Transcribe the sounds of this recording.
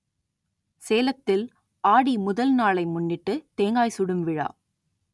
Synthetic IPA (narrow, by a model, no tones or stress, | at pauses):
seːlɐt̪ːɪl | ʔaːɽimʊðɐlnaːlɐɪmʊnːɪʈːɯt̪eːŋɡaːjsʊɽɯmʋɪɻa̰ː